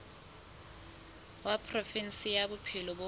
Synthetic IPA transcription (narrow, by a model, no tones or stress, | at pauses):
wapʰʼrofinsijabʊpʰilɔbo